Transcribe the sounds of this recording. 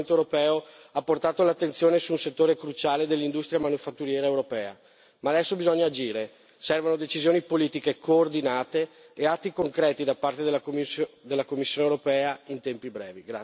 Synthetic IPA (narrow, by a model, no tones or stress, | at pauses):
nt̪oewɾopɛːo | apːort̪aːt̪olat̪ːent̪sjoːnesuːnset̪ːoːɾekɾut͡ʃaːled̪elːind̪ust̪ɾjamanufat̪ːuɾjɛːɾaewɾopɛːa̰ | maːd̪ɛsːobizɔɲːaːd͡ʒiːɾe | sɛrvanod̪et͡ʃizjoːnipoliːt̪ikekoːrd̪inaːt̪eː | at̪ːikoŋkɾɛːt̪id̪apart̪ed̪elːad̪elːakomːisːjoːnewɾopɛːaint̪ɛmpibɾɛ̰ːviɡɾa